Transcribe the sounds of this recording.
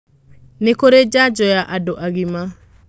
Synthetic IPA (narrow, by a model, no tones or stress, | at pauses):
nekoɾed͡ʒad͡ʒɔjaʔadoʔaɣima